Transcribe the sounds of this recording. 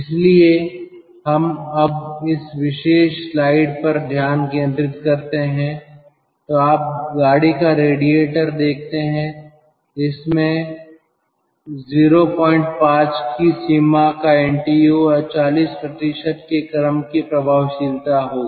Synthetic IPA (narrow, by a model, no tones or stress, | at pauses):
ɪslie | ɦɐmɐbɪsʋɪʃeːʃslaːɪɖpɐɾd̪ʱjaːnkẽːnd̪ɾɪt̪kɐɾt̪eɦɛ̃ | t̪oaːp̚ɡaːɽikaɾeːɽieːʈəɾd̪eːk̚ʰt̪eɦɛ̃ | ɪsmẽ | ziːɾopɔ̃ːɪ̃ɳʈ̚pãːt͡ʃkisiːmakaɛ̃ːɳʈiːjuɔɾt͡ʃaːliːspɾɐt̪ɪʃəʈ̪kekɐɾəmkipɾɐbʱaːʋʃɪlt̪aɦoː